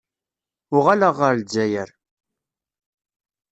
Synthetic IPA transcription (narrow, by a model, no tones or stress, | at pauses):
ʊʁalaʁəɾld͡ʒæjəɾ